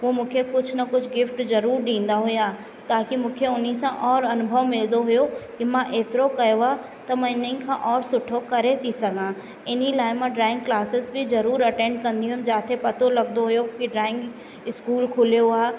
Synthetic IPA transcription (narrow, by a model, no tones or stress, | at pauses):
ʋoːmũːkʰekʊt͡ʃʰnɐkʊt͡ʃʰɡɪfʈzɐɾuːɾɖĩːnd̪aɦʊjaː | t̪aːkimũːkʰeʊnisãʔɔːɾɐnʊbʱəʋmɪld̪oɦʊjokimãʔeːt̪ɪɾokɐjoa | t̪ɐmɐ̃ɪnəĩkʰã̰ʔɔːɾsʊʈʰokɐɾet̪ʰisɐɡʱãː | ɪnilaːɪmãɖɾaːɪ̃ŋɡklaːsɪsbʱizɐɾuːɾɐʈẽːɳɖkɐ̃nd̪iɦʊ̃md͡ʒaːt̪ʰepɐt̪olɐɡ̚d̪oɦʊjokiɖɾaːɪ̃ŋɡ | ɪskuːlkʰʊljoaː